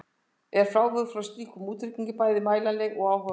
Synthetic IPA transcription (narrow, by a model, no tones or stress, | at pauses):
ɛɾ̥fɾaːwvʏðfɾawst̪iːkumuːt̪ɾɪkiɲcɪpaːjðɪmaːjlalɛɣɔɣaːwɦœ